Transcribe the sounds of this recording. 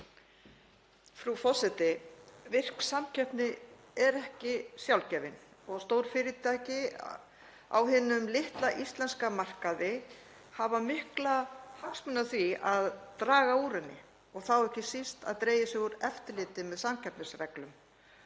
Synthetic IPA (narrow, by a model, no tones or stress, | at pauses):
fɾufɔsɪt̪ɪvɪr̥ksamcʰɛpnɪ | ɛɾɛhcɪsjawlcɛːvɪn | ɔɣst̪oːwɾ̥fɪːɾɪt̪ʰajcɪ | a̰wɦɪnʏmlɪht̪laʔist̪lɛnskamar̥kaðɪ | havamɪhklahaksmʏnaθviaðt̪ɾaːɣauːɾɛnːɪ̰ | ɔɣθawɛhcɪsist̪a̰ðt̪ɾeːjɪsʏɣʏɾɛft̪ɪlɪːt̪ɪmɛðsamcʰɛpnɪsrɛklʏm